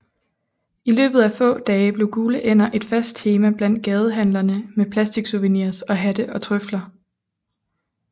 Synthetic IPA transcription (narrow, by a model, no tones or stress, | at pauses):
ilø̰ːb̥ð̩ˠæfɔ̰̽ːd̥ɛːɪb̥le̝ɡ̥uːləʔen̰ɐʔe̝d̥fæsd̥̚t͡sʰe̝ːmæb̥læn̰d̥̚ɡ̥ɛːð̞ˠəɦænlɐnəmepʰlæsd̥iɡ̥suʋənḭːɐ̰sɒ̽ɦæd̥əʔɒ̽t͡sʰʁœflɐ